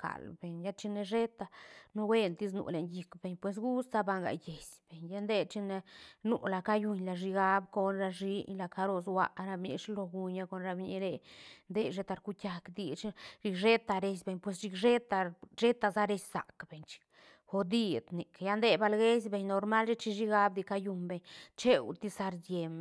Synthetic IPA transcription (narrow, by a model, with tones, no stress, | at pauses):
kʰa̰˨lbe˨ɲja˦t͡ʃi˧ne˧ʐe˦t̪a˧no˦we˦nt̪i˦s̬nṵ˧˨le˨ɲji˧kbe˨ɲpwe˧s̬ɡu˦sza˦ba˧ŋɡa̰˨je˨sb̥e˨ɲja˦nd̪e˦˧t͡ʃi˧ne˧nṵ˧la˨ka˦ju˧ɲla˧˨ʐi˧ɡa˦bko˧nɾa˧ʐi˧la˧ka˧ɾo˧swa̰˧ʔɾa˧bɲḭ˧ʂi˦lo˧ɡu˧ɲa˧ko˧nɾa˧bɲḭ˧˦ɾe˧nd̪e˧ʃe˧t̪a˧ɾku˦tʲa˧kd̪i˧t͡ʃi˦ʐi˧kʐe˦t̪a˧ɾe˧s̬be˧ɲpwe˧s̬ʃi˧kʐe˦t̪a˧ʐe˦t̪a˧za˦ɾe˧˦ssa̰˨kbe˨ɲt͡ʃi̥˧ | xo˧d̪i˦d̪ni˨ka˨ja˧˦nd̪e˧ba˧lɡe˦s̬be˧ɲno˧ɾma˦lʃe˦t͡ʃi˧ʃi˦ɡa˧˦b̚d̪i˧ka˧ju˧mbe˧ɲt͡ʃe˦wt̪i˦sa˧ɾd̪ʲje˨m˨